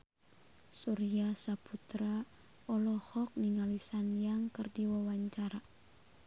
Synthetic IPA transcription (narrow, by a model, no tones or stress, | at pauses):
suɾiasaput̪ɾa | ɔlɔhɔk̚niŋalisanjaŋkərdiwawaɲt͡ʃaɾa